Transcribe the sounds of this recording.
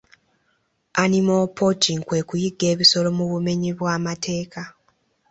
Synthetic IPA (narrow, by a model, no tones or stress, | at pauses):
animopotiŋkwe̞ːkujiɡːe̞ːβiso̞lo̞muβume̞ɲiβwaːmatʰe̞ːka